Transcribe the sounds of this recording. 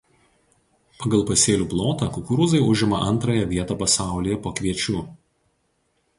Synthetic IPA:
pɐɡɐlˠˑpɐsʲeːlʲuːplˠoːt̪ɑːkʊkʊɾuːzɐɪʊʒʲɪmɐʔɐnˑt̪ɾɐːjɛʋʲiɛt̪ɐːpɐsɑˑʊlʲiːjɛpoːkʋʲiɛt͡ʃʲuː

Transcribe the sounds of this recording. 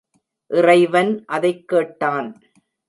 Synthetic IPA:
ʔɪrɐɪʋɐnʔɐðɐɪkːeːʈːaːn

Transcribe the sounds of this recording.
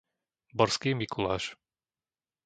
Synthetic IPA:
bɔɾskiːmikulaːʃ

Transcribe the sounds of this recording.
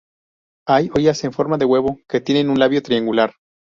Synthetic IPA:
ajojaseɱfo̞ɾmaðe̞ɣwe̞βo̞ke̞t̪je̞ne̞nũnlaβjo̞t̪ɾiaŋɡulaɾ

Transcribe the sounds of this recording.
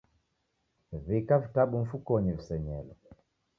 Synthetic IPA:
vekavitaɓuɱ̩fukɔɲivisɛɲɛlɔ

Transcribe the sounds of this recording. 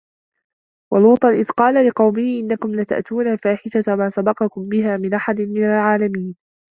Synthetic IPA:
wɑluːt̪ˤɑnʔɪðqɑːlalɪqɑwmɪhʔɪnːakʊmlat̪a̰ʔt̪uːnaːfaːħɪʃamaːsabɑqɑkʊmbɪɦaːmɪnʔaħad̪ɪmɪnalʕaːlamiːn

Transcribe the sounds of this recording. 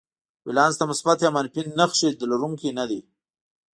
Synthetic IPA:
wɪlɑːnzt̪amʊsbat̪jamanpinːəxʂid̪əlaɾuŋkinad̪i

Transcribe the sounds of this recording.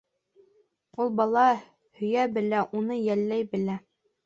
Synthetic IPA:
ulˠbɑlˠɑ | hɵ̆jæbɘ̆læʔunɤjælːæjbɘ̆læ

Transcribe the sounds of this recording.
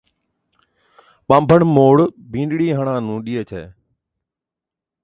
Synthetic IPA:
ɓãːmbʱəɳmoːɽ | bʱĩːɳɖɽiːɦəɳãːnũːɗiːet͡ʃʰɛ̰ː

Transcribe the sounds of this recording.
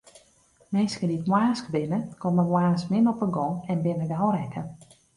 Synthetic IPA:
mɪnskəditmwaːskəbɪnəkɔməmwaːsmɪnɔpəɡɔɛnbɪnədawɾɛkʰə

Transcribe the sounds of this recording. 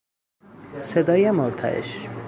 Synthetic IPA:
sed̪ɒːjemoɾt̪ʰæ̰ʔḛʃ

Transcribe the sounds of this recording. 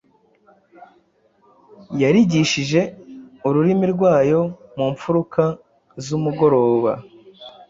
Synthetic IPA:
jaɾiɟiʃiʒe̞uɾuɾimiɾɡwaːjo̞muɱfuɾukʰa | zumuɡo̞ɾo̞ːβa̰

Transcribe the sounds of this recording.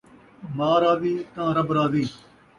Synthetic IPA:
maːɾaːd̪iːt̪ãːɾəbɾaːd̪iː

